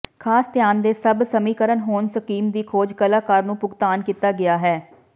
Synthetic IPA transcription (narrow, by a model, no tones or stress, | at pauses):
kʰaːst̪ɪjaːnd̪eːsəbsəmiːkəɾənɦoːnsəkiːmd̪iːkʰoːd͡ʒkəlaːkaːɾnũːpʊɡt̪aːnkiːt̪aːɡɪaːɦɛː